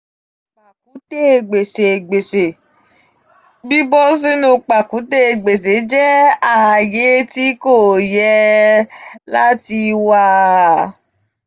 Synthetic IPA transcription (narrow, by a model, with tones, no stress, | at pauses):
k͡pa˨k̚u˨˦te˦˨ɡ͡be˨ʃe˨ɡ͡be˨se˨ | bi˦bɔ˦s̬i˦nũ˧k͡pa˨ku˨˦te˦e˨ɡ͡be˨s̬e˨˦d͡ʒɛ˦a˨je˨˦ti˨˦ko˦˨jɛ˧ | la˦ti˧wa˧